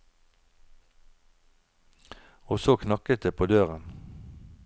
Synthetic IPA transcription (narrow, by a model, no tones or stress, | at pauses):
oːsoːkʰnɑkət̪̚d̪eːpʰoːd̪øːʁən